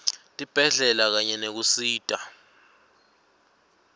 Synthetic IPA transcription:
tʼib̥ʱɛɮɛlak̬aɲɛnek̬usiːtʼa

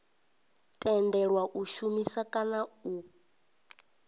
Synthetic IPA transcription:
tʼɛndɛɺwaʔuʃumisakʼanau

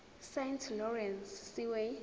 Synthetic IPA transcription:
sentʰlɔrɛnsːiwe

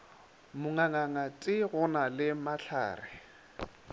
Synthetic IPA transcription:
mʊŋaŋaŋatʼɪɣʊnalɪmaɬʰa̰ːrɪ

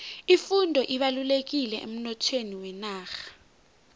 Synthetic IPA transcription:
ifundʱɔʔiɓalulek̬ilɛʔḛm̩nɔtʰweniwɛnaːxḁ

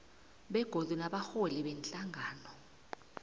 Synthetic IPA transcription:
ɓɛɡ̥ʱodunaɓaxoliɓɛnt͡ɬʼaŋʱaːnɔ

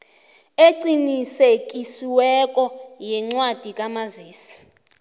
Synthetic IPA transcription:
eǀinisekʼisiwɛkʼɔjɛŋ͡ǀwad̥ʱikʼamaziːsi̥

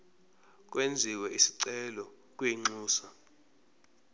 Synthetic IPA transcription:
k̬ʼwend͡zʱiwɛʔisi̥ǀɛlɔ | k̬ʼwiŋ͡ǀuːsa

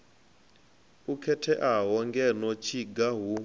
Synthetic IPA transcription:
ukʰɛtʰɛʔaɦɔŋɡɛnɔt͡ʃʰiɡaɦu

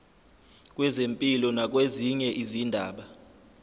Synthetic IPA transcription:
k̬ʼwɛzempʼilɔnak̬ʼweziɲɛʔizindʱa̰ːɓa

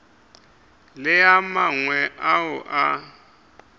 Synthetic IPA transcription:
lɪamaŋwɛʔaʊʔa

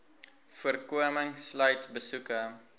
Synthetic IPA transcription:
fuərkuəməŋslœɥtbəsukə

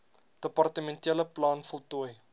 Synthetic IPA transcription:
d̥əpɐrtəmɛntiələplɑːnfɔlˠtuəj

